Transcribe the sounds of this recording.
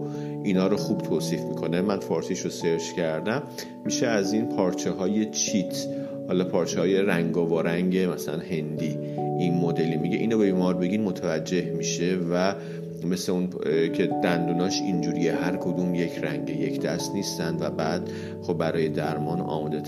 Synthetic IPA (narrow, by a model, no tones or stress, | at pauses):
ʔinɒːɾoxuːb̥t̪ʰoːsiːfmikʰo̞nemænfɒːɾsiʃoseɾʃcʰæɾd̪æmː | iʃeæzinpʰɒːɾt͡ʃʰeɦɒːje̞t͡ʃʰit̪ʰ | hɒːlɒːpʰɒːɾt͡ʃʰehɒːje̞ɾæŋɡɒːvoɾæŋɟe̞mæsælæ̰nhe̞nd̪iː | ʔinmod̪e̞limiɟeʔiːnobebiːmɒːɾbe̞ɟinmo̞t̪ʰævæd͡ʒːe̞hmiʃe̞væ | me̞sleuncʰe̞d̪̥ænd̪unɒʃind͡ʒuːɾiehæɾkʰod̪uːmjecʰɾæ̰ŋɟejecʰd̪̥æ̰st̪niːst̪ænd̪væbæːd̪̥ | xobːæɾɒːjed̪æɾmɒːnɒ̰ːmɒːd̪et̪ʰ